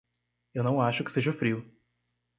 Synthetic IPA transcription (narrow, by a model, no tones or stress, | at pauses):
ewnɐ̃w̃aʃʊkɪ̥seʒɐfɾiʊ